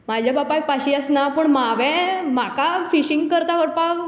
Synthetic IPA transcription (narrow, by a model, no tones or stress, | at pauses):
mad͡ʑʱjabapak̚paɕiəsnapəɳmaʋɛ̃makafiɕiŋɡkəɾt̪aʋəɾpak